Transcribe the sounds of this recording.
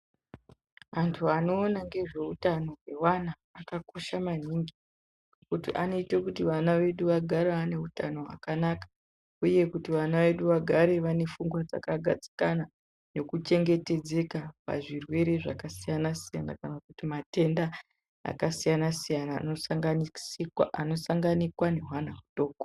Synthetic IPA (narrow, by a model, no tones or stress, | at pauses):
antʰuano̞ːnaŋɡe̞ʐe̞utano̞ɦwe̞wanaːkako̞ʃaman̤iŋɡi | kutiʔano̞itekutiʋanaʋe̞ɗuʋaɡʱaɾaːne̞utano̞ɦa̰kanakḁ | uje̞kutiʋanaʋe̞ɗuʋaɡʱaɾe̞ʋane̞fuŋɡwad͡za̰kaɡʱad͡zi̥kana | no̞kut͡ʃe̞ŋɡe̞te̞d͡ze̞kapa̰ʐirwe̞ɾe̞ʐa̰kasijanasijana̰kanakutimate̞nda | a̰kasijanasijana̰noŋɡa | ano̞saŋɡanikwane̞ɦwanaɦuto̞ːko